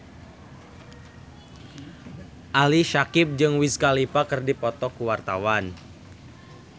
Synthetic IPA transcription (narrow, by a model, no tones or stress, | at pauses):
ʔaliʃakɪp̚d͡ʒɨŋwiskalipakɨrdipɔt̪ɔkuwart̪awan